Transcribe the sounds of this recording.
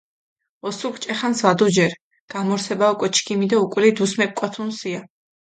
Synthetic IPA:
ɔsukʰt͡ʃʼɛχansvad̪ud͡ʒɛɾ | ɡ̥amɔɾsʰɛbaukʼɛt͡ʃʰkʰimid̪aukʼwlid̪usmɛp̚kʼwat̪ʰunsia

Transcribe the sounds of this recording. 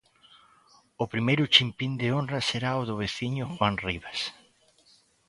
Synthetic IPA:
ʊpɾimejɾʊt͡ʃimpind̪eonraseɾaoðʊβeθiɲʊxwanriβas

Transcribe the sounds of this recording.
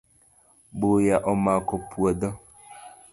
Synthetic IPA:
bojaʔɔmakɔpʰuɔdɔ

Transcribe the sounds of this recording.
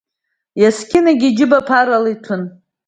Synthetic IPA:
jaskʲɪnaɡʲid͡ʒɪbapʰaɾalitʷʰʊn

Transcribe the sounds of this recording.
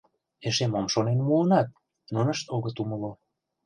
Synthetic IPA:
eʃemomʃonenmuənɑt̪̚ | nunəʃt̪oɣət̪uməlo

